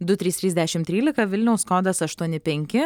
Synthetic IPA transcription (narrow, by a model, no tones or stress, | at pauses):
d̪ʊt̪ʲɾʲiːst̪ɾʲiːzd̪ʲæʃʲɪmt̪ʲɾʲiːlʲɪkɐʋʲɪlʲnʲɛʊskoːd̪ɐsɐʃt̪uɔnʲɪpʲɛŋʲkʲɪ